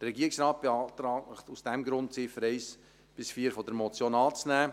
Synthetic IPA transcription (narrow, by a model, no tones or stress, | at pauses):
d̥ərːɛɡiəɪksɾɑːt̚b̥eɑːt̪ɾɑːtusd̥ɛmɡɾʊntt͡sɪfəɾɛɪs | b̥ɪsfiːɾfɔdəɾmɔt͡sjoːnɑːt͡snæː